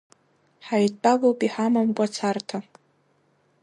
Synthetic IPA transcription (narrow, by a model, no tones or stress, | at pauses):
ħaɥdʼpʼavowpʼiħamamkʷʼat͡sʰartʰa